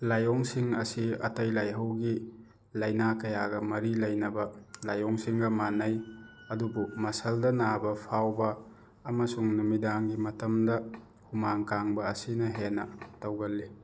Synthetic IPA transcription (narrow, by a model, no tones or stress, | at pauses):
lajɔŋsiŋɐsiɐ̰tɐjlajɦɐwɡi | lɐjnakɐjaɡɐmɐɾilɐjnɐbɐlajɔŋsiŋɡɐmanːɐj | ɐdubumɐsɐldɐnabɐpʰawbɐː | mɐsuŋnumidaŋɡimɐtɐmdɐ | humaŋkaŋbɐːsinɐɦenɐ̰tɐwɡɐlːi